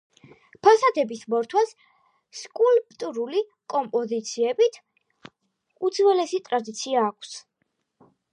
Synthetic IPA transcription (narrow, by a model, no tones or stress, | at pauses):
pʰasad̪ɛbismɔɾt̪ʰwas | skʼulp̚ʼt̪ʼuɾuli | kʼɔmpʼɔzit̪sʰiɛbit̪ʰ | ut̪sʰwɛlɛsit̪ʼɾad̪it̪sʰiaːkʰs